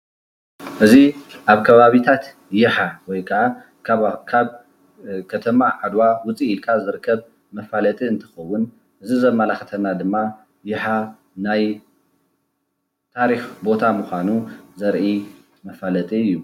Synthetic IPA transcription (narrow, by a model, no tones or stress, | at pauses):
ʔɨziʔaβkʰɐβaβit̪ʰat̪ | jɪħawɔjkʰɐʕa | kʰaβ | kʰɐt̪ʰɐmaʕad̪wawʊt͡sʼiːlkʰazɨɾɨkʰːɐβ | mɐfalɐt̪ʼiɨnt̪ʰɨ̥xɐwːʊn | ʔɨzizɐmːalaxɐt̪ʰɐnːad̪ɨmːa | jɪħa | naj | t̪ʰaɾixbo̞t̪ʰamuxʷanuzɐɾʔi | mɐfalɐt̪ʼiɨjːu